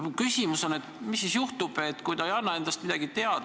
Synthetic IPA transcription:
kysʲimuso̞net̪misːisjuht̪ub̥et̪ːkujd̪̥ɑejɑnːɑe̞nd̪̥ɑst̪mid̪̥ɑɡit̪e̞ɑd̪

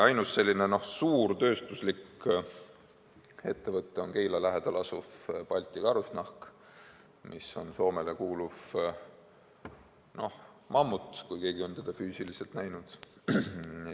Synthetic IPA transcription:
ɑjnusːe̞lʲːine̞no̞hsuːrt̪ø̞ːst̪uslik | e̞t̪ːe̞vɤt̪ːˑeo̞nke̞jlɑlæɦed̪̥ɑlɑsufpɑlʲt̪ʲˑikɑɾusnɑhk | mʔiso̞nso̞ːme̞lekuːluv | no̞h | mɑmːut̪ːˑkujke̞ːɡ̥io̞nt̪e̞d̪̥ɑfyːsilise̞lt̪næjnud̪̥

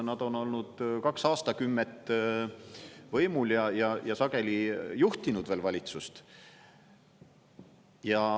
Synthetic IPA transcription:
nɑd̪̥o̞no̞lnud̪̥kɑksɑːst̪ɑkymːet̪ːˑ | vɤjmuljɑjɑjɑsɑɡ̥e̞lijuht̪inud̪ve̞ːlvɑlʲit̪sust̪ | jɑ

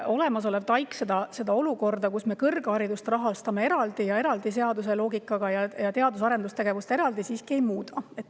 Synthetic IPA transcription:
o̞le̞mɑs̬o̞le̞b̥t̪ɑjkse̞d̪̥ɑse̞d̪̥ɑo̞luko̞rd̪̥ɑkusme̞kɤrɡ̥ɑɾid̪̥ust̪rɑɦɑst̪ɑme̞eɾɑld̪̥ijɑe̞ɾɑld̪is̬e̞ɑd̪us̬e̞lo̞ːɡikːˑɑɡ̥ɑjɑjɑt̪e̞ɑd̪us̬ɑɾend̪ust̪e̞ɡ̥e̞vust̪e̞ɾɑld̪isiːskie̞jmuːd̪̥ɑe̞t̪ːˑ

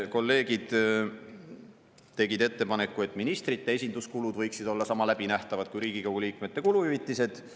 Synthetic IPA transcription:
ko̞lːe̞ːɡid̪̥ | t̪e̞ɡid̪̥e̞t̪ːe̞pɑne̞kːˑue̞t̪ːˑminist̪rit̪ːeesʲind̪uskulud̪̥vɤ̞jksid̪̥o̞lːɑsɑmɑlæb̥inæht̪ɑvɑd̪̚kujɾiːɡ̥ikɑwɡuliːkme̞t̪ːˑe̞kuluyvit̪ːˑise̞d̪̥

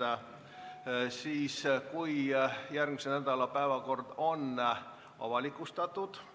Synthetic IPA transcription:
siːskuijærkmisennæd̪ɑlɑpæeʋɑkord̪on | ɑ̰ʋɑlikːust̪ɑt̪ːut̪

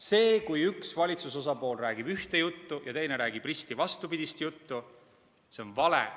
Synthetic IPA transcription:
se̞ːkujyksvɑlʲit̪sus̬o̞sɑpo̞ːlræːɡ̥ib̥yht̪e̞jut̪ːujɑt̪e̞jne̞ɾæːɡ̥ib̥rist̪ivɑst̪upid̪̥ist̪jut̪ːu | se̞o̞nvɑlḛ

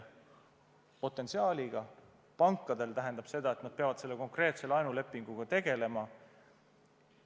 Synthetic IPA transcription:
po̞t̪ːˑe̞nsiɑːlʲiɡ̥ɑ | pɑŋkːˑɑd̪e̞lt̪æɦe̞nd̪̥ɑb̥se̞d̪̥ɑe̞t̪nɑd̪̥̚peɑvɑd̪se̞lːe̞ko̞ŋkre̞ːt̪se̞lɑjnule̞pːˑiŋɡ̥uɡ̥ɑt̪e̞ɡ̥e̞le̞mɑ

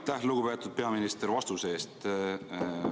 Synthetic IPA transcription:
t̪ːæhluɡ̥upe̞ːt̪ːˑud̪̥̚pe̞ɑminist̪eɾvɑst̪use̞ːst̪

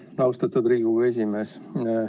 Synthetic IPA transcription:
nɑwst̪ɑt̪ud̪ɾiːɡ̥ue̞s̬ʲime̞s

